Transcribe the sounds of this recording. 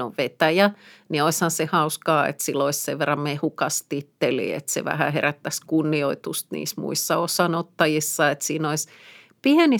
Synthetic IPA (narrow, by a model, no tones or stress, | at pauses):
o̰ʋʋet̪æjænioishɑnsehɑuskɑːḛt̪silːoisseʋʋerːɑmmehukɑst̪it̪ːelḭːḛt̪sḛʋæ̰hæ̰heræt̪ːæskunːioit̪ust̪nḭːsmṵisːɑosɑnot̪ːɑjisːɑet̪siːnois | pieni